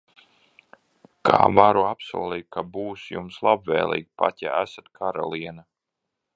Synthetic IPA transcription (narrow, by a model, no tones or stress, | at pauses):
kʰa̰ːvaɾuapsuɔlˠiːkkabuːsjumslˠabvɛ̰ːlˠḭːk̚pa̰t̪ʲa̰æsat̪kʰaɾa̰lˠiɛna